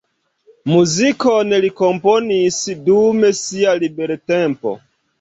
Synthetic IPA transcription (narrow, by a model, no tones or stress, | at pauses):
muzikoneliko̞mpo̞nisdume̞sialibe̞ɾtempo̞̰